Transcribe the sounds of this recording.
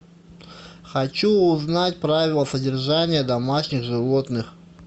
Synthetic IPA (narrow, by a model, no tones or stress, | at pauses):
xɐt͡ɕuʊznatʲpɾavʲɪlˠəsədʲɪrʐanʲɪjəd̪ɐmaʂnʲɪɣʐɨvo̞t̪nɨx